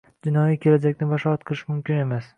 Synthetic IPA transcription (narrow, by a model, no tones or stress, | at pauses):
d͡ʒɪnɒjikʲʰe̞lad͡ʒakʲnɪbɒʃɒat̪qʰɨlˠɪʃmʊmkʲɪne̞mas